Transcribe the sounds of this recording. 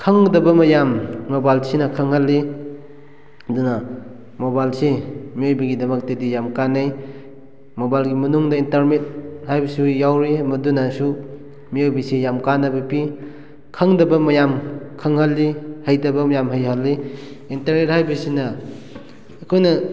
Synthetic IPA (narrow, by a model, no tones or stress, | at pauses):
kʰaŋdɐbɐmɐjamːobajlsinɐkʰɐŋhalːi | dunɐ | mobajlsimiojbɐɡidɐmɐk̚tɐdijamkanːaj | mobajlɡimɐnuŋdɐintɐɾmet̚hajbɐsijawɾimɐdunasu | miojbɐsijamkanɐbɐpi | kʰɐŋdɐbɐmɐjamkʰɐŋhalːihajdɐbɐmɐjamɦajɦalːi | intɐɾnet̚hajbɐsinɐː | kʰojnɐ